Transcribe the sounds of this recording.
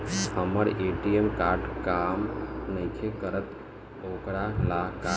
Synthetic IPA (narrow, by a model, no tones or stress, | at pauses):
həməɾeʈiemkaːɾɖkamnəjkʰekəɾət̪ | okɽalaka